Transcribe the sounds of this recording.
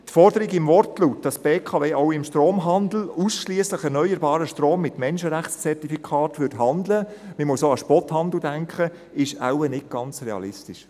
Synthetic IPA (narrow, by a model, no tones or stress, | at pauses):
tfɔɾdəɾɪɡɪmvɔrtlutd̥ɑsb̥eːkʰɑveːʔɔʊɪmʃtɾoːmɦɑndl̩usʃliəsləχɛɾnœʏəɾbɑːɾəʃtroːmːɪtmɛnʃəɾæχt͡st͡sɛrtifikʰɑːtʋʏdɦɑnd̪ləməmuəsoːɑʃpɔthɑnd̪l̩dæŋkχə | ɪʃa̰wənɪt̚ɡ̥ɑnt͡srɛɑ̰lɪstɪʃ